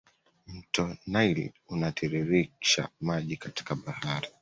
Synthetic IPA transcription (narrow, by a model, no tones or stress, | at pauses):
m̩tɔnajlḭ | unatʰiɾiɾiʃa̰maʄikati̥kaɓahaɾi